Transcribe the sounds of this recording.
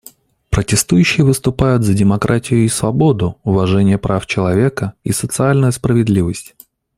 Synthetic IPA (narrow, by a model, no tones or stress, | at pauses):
pɾətʲɪst̪ujʉɕːɪjəvɨst̪ʊpajʊt̪zədʲɪmɐkɾʔatʲɪjʊisvɐbo̞d̪ʊʊvɐʐɛnʲɪjəpɾaft͡ɕɪlˠɐvʲe̞kəḭsət̪sɨalʲnʊjʊspɾəvʲɪd̪lʲivəsʲtʲ